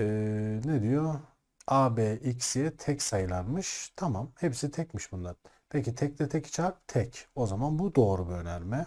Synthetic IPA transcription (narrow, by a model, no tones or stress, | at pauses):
ɛned̪ijo | aːbɛːʔicsijɛt̪ʰɛcsajɯlˠanmɯʃt̪ʰamamhepsit̪ʰɛcmiʃbund̪an | pʰecit̪ʰɛc̚lʲɛt̪ʰɛci̥t͡ʃʰaɾp̚t̪ʰɛco̞zamanbud̪o̞ːɾubiø̞nælʲmɛ